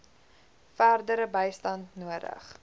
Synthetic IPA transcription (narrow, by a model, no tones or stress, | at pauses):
færdəɾəbəjstɐntnuədə̰χ